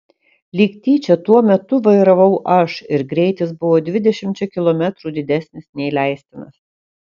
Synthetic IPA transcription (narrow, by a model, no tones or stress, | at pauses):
lʲiːkt̪ʲiːt͡ʃʲɛt̪uɔmʲɛt̪ʊʋɐɪɾɐʋɐʊʔɐʃɪɾɡɾʲɛɪt̪ʲɪsbʊʋoːd̪ʲʋʲɪd̪ʲɛʃʲɪmʲt͡ʃʲɛkʲɪlˠɔmʲæt̪ɾuːd̪ʲɪd̪ʲæsʲnʲɪsnʲɛilʲæˑɪsʲt̪ʲɪnɐ̰s